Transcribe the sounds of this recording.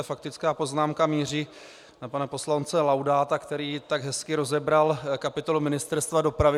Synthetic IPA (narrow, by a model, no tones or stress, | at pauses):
fak̚t̪ɪt͡skaːpo̞znaːmkamiːriː | napanapo̞slant͡sɛlawdaːt̪akt̪ɛɾiːt̪aɡɦɛskɪɾo̞zɛbɾalkapɪt̪o̞lumɪnɪst̪ɛɾst̪vado̞pɾavɪ